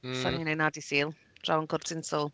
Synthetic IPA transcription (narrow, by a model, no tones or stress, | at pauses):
saninenadisiːlˠ | d̥rawənkʰʊrtsɪnsɔlˠ